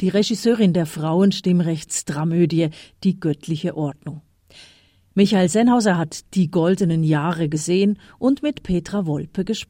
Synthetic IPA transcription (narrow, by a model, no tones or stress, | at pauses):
d̥iːʁeʒɪsøːʁɪndeːɐfʁ̥aʊənʃtɪmʁɛçt͡stʁ̥amøːdiəd̥iːɡœtʰlɪçəʔɔɐdnʊŋ | mɪçaɪlzɛnhaʊzɐɦatd̥iːɡɔldənənjaːʁəɡəzeːən | ʔʊntmɪtpʰeːtʁ̥avɔlpəɡəʃp